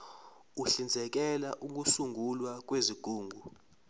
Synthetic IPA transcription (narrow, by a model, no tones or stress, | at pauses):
uɬind͡zʱɛk̬ɛlaʔuk̬usuŋʱulwak̬weziɡ̥ʱuːŋɡʱu